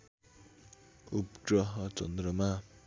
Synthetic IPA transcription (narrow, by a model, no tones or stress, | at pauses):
upʈɾʌɦʌt͡sʌ̰nd̪ɾʌma